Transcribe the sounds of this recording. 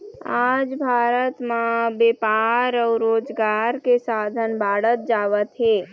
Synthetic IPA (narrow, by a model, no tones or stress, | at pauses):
aːd͡ʒbʱaːɾət̪mãbeːpaːɾɔːɾoːd͡ʒɡaːɾkesaːd̪ʱənbʱaːɽət̪̚d͡ʒaːʋət̪ɦeː